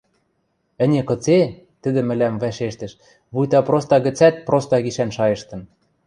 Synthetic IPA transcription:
ɘ̆nʲekɤ̆t͡se | t̪ɘ̆d̪ɘ̆mɘ̆læmvæʃeʃt̪ɘ̆ʃ | βujt̪ɑpɾost̪ɑɣɘ̆t͡sæt̪̚prost̪ɑɣiʃænʃɑjɤ̆ʃt̪ɤ̆n

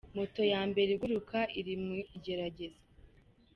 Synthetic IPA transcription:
moto̞jaːmbe̞ɾeɡuɾukaiɾimuiɟe̞ɾaɟe̞ze

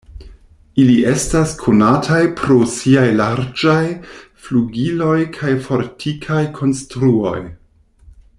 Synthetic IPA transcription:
iliʔe̞staskʰonatʰajpʰɾo̞siajlaɾd͡ʒajfluɡilo̞jkʰajfo̞ɾtʰikʰajkʰo̞nstɾuo̞̰j

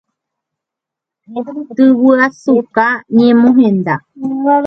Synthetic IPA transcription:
t̪ɨwɨasukaɲẽmõɦẽnd̪a

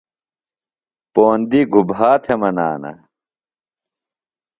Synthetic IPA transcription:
poːnd̪iɡʱubaːt̪ʰemɐna̰ːnɐ̰

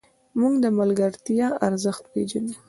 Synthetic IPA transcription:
muɡd̪əmalɡaɾt̪jɑaɾzəxt̪ped͡ʒanu

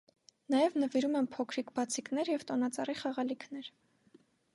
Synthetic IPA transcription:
nɑjɛvnəviɾumɛnpʰɔkʰɾikbɑt͡sʰiknɛɾjɛvt̪ɔnɑt͡sɑriχɑʁɑlikʰnɛɾ

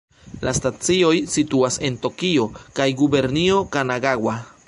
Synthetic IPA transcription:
lʔastat͡sio̞jsituase̞nto̞kio̞kajɡube̞ɾnio̞kanaɡaɡwa

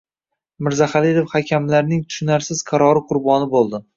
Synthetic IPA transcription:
mɪɾzaχalid̪efhakʲʰamlaɾnɪŋt̪ʰʊ̥ʃɪnaɾsɪz̥qʰɑɾɒɾɪqʰʊɾbɒnɪbolˠd̪ɪ

